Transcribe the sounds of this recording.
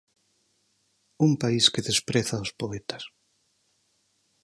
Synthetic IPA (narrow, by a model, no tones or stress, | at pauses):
umpaiskeðespɾeθaʊspoet̪ḁs